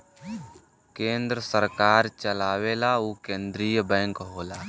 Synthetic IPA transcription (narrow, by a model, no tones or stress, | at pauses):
kẽːnd̪ɾəsəɾkaːɾt͡ʃəlaːweːlauːkẽːnd̪ɾiːjəbɛ̃ːŋkɦoːlaː